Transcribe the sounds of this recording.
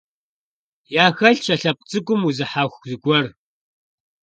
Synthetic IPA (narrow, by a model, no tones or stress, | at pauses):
jaːxɐɮɕɐɬɐp̚ʷʼt͡sʼɨkʷʼʊmuzɨħaːxʷzɨɡʷɔr